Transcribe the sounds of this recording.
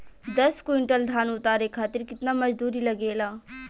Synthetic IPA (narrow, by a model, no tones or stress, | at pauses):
d̪əskwɪɳʈəld̪ʱaːnʊt̪aːɾekʰaːt̪ɪɾkɪt̪naməd͡ʒd̪uːɾiləɡeːlaː